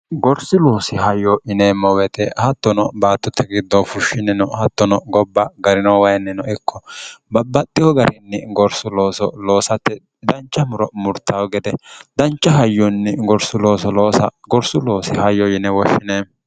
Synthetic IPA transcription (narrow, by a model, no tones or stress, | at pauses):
ɡɔɾsɪloːsɪhɐjɔɪneːmːɔwɛt̪ɛhɐt̪ːɔnɔbaːt̪ːʊt̪ʰːɛɡɪd̪ːɔfʊʃːɪnɪnɔhɐt̪ːɔnɔɡɔbːɐɡɐɾɪnɐwɐjɛnɪnɔɪkːɔbɐbːɐt̪ʼːɪjɔɡɐɾɪnːɪɡɔɾsʊlo̞ːsɔloːsɐt̪ːɛ | d̪ɐnt͡ʃːɐmʊɾɔmʊɾt̪ːawɡɛd̪ɛd̪ɐnt͡ʃːɐɦɐjːɔnːɪɡɔɾsʊlo̞ːsɔloːsɐɡɔɾsʊloːsɪhɐjːɔjɪnɛwɔʃːɪneː